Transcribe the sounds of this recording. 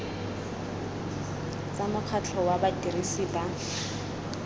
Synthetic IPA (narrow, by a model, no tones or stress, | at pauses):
t͡sʼamʊq͡χʰat͡ɬʰɔwabatirisiːba